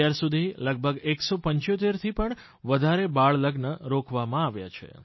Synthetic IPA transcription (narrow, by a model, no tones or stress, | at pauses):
jaɾsud̪ʱiləɡ̚bʱəɡeksopəɲt͡ʃot̪eɾt̪ʰipəɳ | ʋəd̪ʱaɾebaɭləɡnəɾokʰʋamãaʋja̰t͡ʃʰḛ